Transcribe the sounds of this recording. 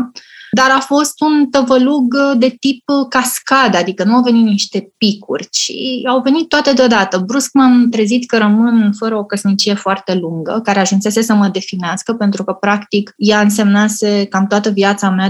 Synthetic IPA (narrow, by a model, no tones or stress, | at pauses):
d̪aɾafo̞st̪unt̪əvəluɡd̪e̞t̪ip̚kaskad̪ad̪ikənuawve̞nit̪̚niʃt̪e̞pikṵrʲt͡ʃḭawve̞nit̪ːoat̪ed̪eod̪at̪əbɾuskmamt̪ɾe̞zit̪kəɾəmɨnfəɾəo̞kəsnit͡ʃije̞foart̪e̞luŋɡə̰kaɾe̞aʒunse̞se̞səməd̪e̞fineaskəpe̞nt̪ɾukəpɾakt̪ikjaɨnse̞mnase̞kamt̪oat̪əviat̪samea